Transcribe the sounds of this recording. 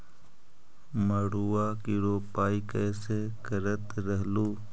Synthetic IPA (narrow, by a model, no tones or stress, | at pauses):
məɽuːaːkiːɽoːpaːikəːseːkəɾət̪ɾəɦluː